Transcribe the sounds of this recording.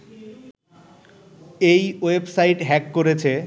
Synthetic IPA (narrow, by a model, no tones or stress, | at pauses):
ejwebsajʈɦɛkːoɾet͡ɕʰe